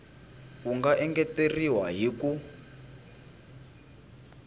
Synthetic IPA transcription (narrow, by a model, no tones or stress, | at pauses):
kuŋɡaʔɛŋɡɛteriwaɦiku